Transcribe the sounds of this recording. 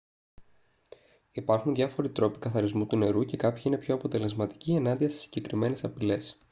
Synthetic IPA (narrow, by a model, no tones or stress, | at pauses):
ipɐɾxunðʝɐfo̞ɾit̪ɾo̞pi̥kɐθɐɾizmut̪une̞ɾuce̞kɐpçiine̞pço̞ɐpo̞t̪e̞le̞zmɐt̪i̥cie̞nɐnd̪iɐse̞̥si̥ɟe̞kɾime̞ne̞sɐpile̞s